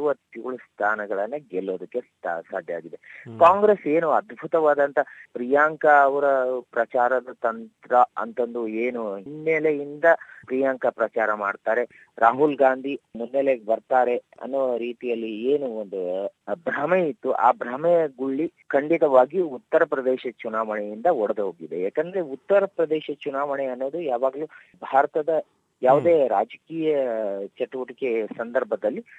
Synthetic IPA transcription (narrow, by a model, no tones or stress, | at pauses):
ʋɐt̪uːɭust̪ʰaːnɐɡɐɭɐnːɐɡɛlːoːd̪ɐkːessa̰ːd̪ʱjaːɡid̪ekaːŋɡɾeseːnuɐd̪bʱut̪ɐʋaːd̪ɐnt̪ʰɐpɾijaːŋkɐːʋɐɾɐpɾɐt͡ʃaːɾɐd̪ɐt̪ɐnt̪ɾɐɐ̰nt̪ɐnd̪ueːnunːelejind̪ɐpɾijaːŋkɐpɾɐt͡ʃaːɾɐmaːɖt̪aːɾe̞ | ɾaːɦulɡaːnd̪ʱimunːeleɡbɐɾt̪aːɾe̞ɐ̰nːuʋɐɾiːt̪ijɐlːieːnuond̪ubɾameit̪ːuʔa̰ːbɾameɡuɭːikɐɳɖit̪ɐʋaːɡiut̪ːɐɾɐpɾɐd̪eːʃɐt͡ʃunaːʋɐɳɛjind̪ɐɔɽed̪uɦoːɡid̪e̞̰jaːkend̪ɐɾe̞ut̪ːɐɾɐpɾɐd̪eːʃɐt͡ʃunaːʋɐɳeɐnːo̞ːd̪ujaːʋaːɡɐluː | bʱaːɾɐt̪ɐd̪ɐ | jaːʋud̪e̞ːɾaːd͡ʒɐkiːjɐt͡ʃɐʈuʋɐʈike̞sɐnd̪ɐɾbʱɐd̪ɐlːi